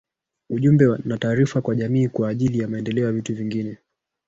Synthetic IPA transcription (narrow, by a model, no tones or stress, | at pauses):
uʄumbɛnataːɾifakwaʄamiːkwaːʄilijamaɛndɛlɛɔjavituviŋɡinɛ